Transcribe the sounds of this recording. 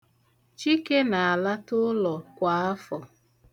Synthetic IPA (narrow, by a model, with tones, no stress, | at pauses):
t͡ʃi˦ke˦na˨a˨la˦tʊ˦lɔ˨kʷa˨a˦fɔ˨